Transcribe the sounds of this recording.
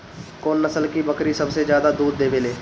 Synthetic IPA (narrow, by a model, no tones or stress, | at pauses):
koːnːɐsəlkibɐkɾisɐbsed͡ʒjaːd̪ad̪uːd̪ːeːʋeːleː